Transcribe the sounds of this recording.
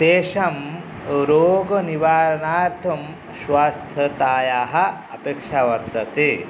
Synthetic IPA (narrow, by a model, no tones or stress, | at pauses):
d̪eːʃɐm | ɾoːɡɐniʋaːɾɐɳaːɾt̪ʰɐm | ʃʋaːst̪ʰɐt̪aːjaːɦɐ̆ɐpeːkʂaʋɐɾt̪ɐt̪eː